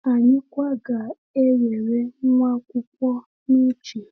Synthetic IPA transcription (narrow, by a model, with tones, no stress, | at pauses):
a˨ɲɪ˦kʷa˦ɡa˨ | e˦ɾe˨ɾe˦m̩˦ma˦kʷʊ˦kʷɔ˦ | ni˦t͡ʃi˨